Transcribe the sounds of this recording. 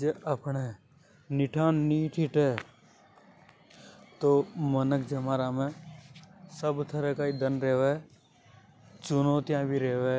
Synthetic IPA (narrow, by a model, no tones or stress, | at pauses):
d͡ʒeəpne | nɪʈʰaːnːiːʈʰiʈeː | t̪oːmənəkd͡ʒəmaːɾamẽ | səbt̪ʰəɾekaːid̪ənɾeːʋe | t͡ʃʊnoːt̪ijãːbʱiɾeːʋe